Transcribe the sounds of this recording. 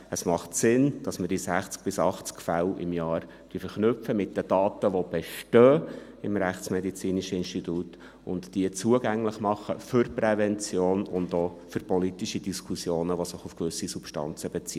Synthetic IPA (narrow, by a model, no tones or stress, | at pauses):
əsmɑχtsɪnd̥ɑsməɾd̥isæχt͡sk̚b̥ɪsɑχt͡skfælɪ̰mjɑːɾ | d̥yfəɾχnʏpfəmɪt̚dəd̥ɑːt̪əʋob̥ɛʃtœːɪmɾæχtt͡smɛdit͡siːniʃəɪnʃtituːt | ʊntd̥iət͡suəɡæŋlɪχmɑχəfʏɾpɾɛvɛnt͡sjoːnʊndoː | fʏɾpɔlitiʃid̥iskʰusjoːnəʋosɪχufkʋʏsisupʃtɑ̰nt͡səbɛt͡sḭə